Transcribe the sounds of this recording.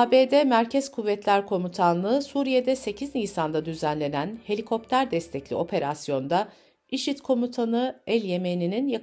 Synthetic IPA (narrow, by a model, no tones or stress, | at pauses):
abeːd̪ɛmæɾcʰɛzkʰuvːɛt̪lʲæɾkʰo̞mut̪ʰanlˠɯsuːɾije̞d̪ɛse̞cʰiznijsand̪ad̪yzænlʲe̞nænhe̞lʲikʰo̞p̚t̪ʰæɾd̪ɛst̪ʰɛclʲḭo̞pʰe̞ɾasjo̞nd̪a | iʃit̪kʰo̞mut̪ʰanɯælʲje̞me̞nininja